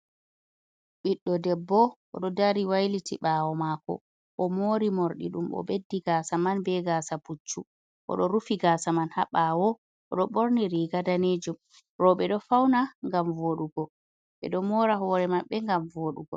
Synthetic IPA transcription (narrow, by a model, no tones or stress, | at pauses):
ɓiɗːɔdɛbːɔʔɔ̰ɗɔdaɾiwajlitiɓawɔmakɔ̰ | ʔɔmoːɾimoɾɗḭɗṵmɔ̰ɓedːiɡaːsamanbɛɡaːsaput͡ʃːṵ | ʔɔ̰ɗɔɾufiɡaːsamanhaɓawɔ | ʔɔɗɔɓoɾniɾiɡadaned͡ʒum | ɾɔɓɛɗɔfawnaŋɡamvoɗuɡɔ | ɓɛ̰ɗɔmɔːɾaɦɔɾɛmaɓːɛŋɡamvoɗuɡɔ̰